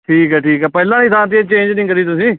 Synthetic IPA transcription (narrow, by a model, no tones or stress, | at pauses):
ʈʰiːkɦɛːʈʰiːkɦɛːpɛːlãːnĩːt̪ʰãːt̪̬iːeːt͡ʃẽːnd͡ʒnĩːkəɾiːt̪ʊsĩː